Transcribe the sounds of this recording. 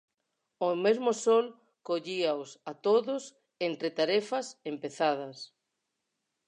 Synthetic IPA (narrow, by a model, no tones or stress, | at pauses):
omezmosol | koʎiaosat̪oðʊs | ent̪ɾet̪aɾɛfɐsempeθað̞ɐs